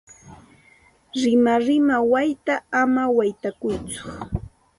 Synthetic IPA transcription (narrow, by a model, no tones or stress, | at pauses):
ɾɪmaɾɪmawajt̪aamawajt̪akʊjt͡sʊ̥